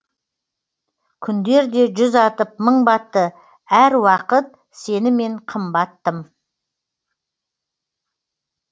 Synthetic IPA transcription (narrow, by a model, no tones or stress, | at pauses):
kʲʰʏnd̪e̞ɾd̪e̞ʒʏzɑt̪əp̚məɴbɑt̪ːə | æɾwɑqət̪̚ | se̞nɪme̞ɴqʰəmbɑt̪ːəm